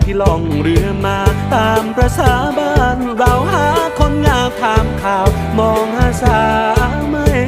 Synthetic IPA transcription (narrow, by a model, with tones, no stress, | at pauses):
t̪ʰiː˧˩lɔː˧˩ŋɾɯ˧ɐmaː˧t̪aː˧mpɾa˧sʰaː˧˩baː˧n | ɾa˧˩whaː˨˦kʰo˧nŋaː˧wt̪ʰaː˧mkʰaː˧˩w | mɔː˧ŋhaː˧˩saː˨˩˦ʔa˧˦ma˧˥˩j